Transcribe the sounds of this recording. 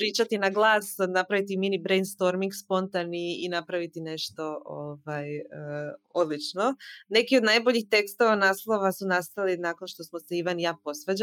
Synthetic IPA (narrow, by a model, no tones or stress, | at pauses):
pɾiːt͡ʃat̪inaɡlˠaːsnapɾaʋit̪iminibɾejnd̪st̪o̞ɾmiŋɡspo̞nt̪aniinapɾaʋit̪ine̞ʃt̪o̞ovajəo̞d̪lˠit͡ʃno̞ne̞kio̞d̪najboʎixt̪e̞kst̪o̞ʋanaːslˠo̞ʋasunast̪alinako̞nʃt̪o̞smoseiʋanjaːpo̞sʋed͡ʑ